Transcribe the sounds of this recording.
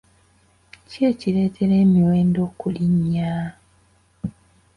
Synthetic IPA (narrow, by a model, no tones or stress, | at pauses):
ceːcile̞ːtʰe̞ɾe̞ːmiwe̞ːndo̞kuliɲːa